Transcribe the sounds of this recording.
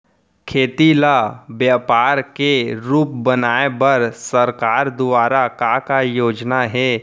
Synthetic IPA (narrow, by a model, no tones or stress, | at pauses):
kʰeːt̪ilabjaːpaːɾkeɾuːp̚bənaːebəɾsəɾkaːɾd̪ʊaːɾakakajoːd͡ʒnaɦɛː